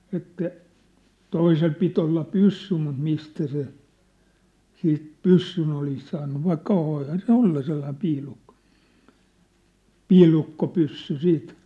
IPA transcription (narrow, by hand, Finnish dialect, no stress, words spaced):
etːæ toisel pit olːɑ pysːy mut mistæ se siːt pysːyn olis sɑːnːu ʋɑikːɑ ʋoihɑn se olːɑ selːɑĭm piːlukːo̥ piːlukːopysːy siːt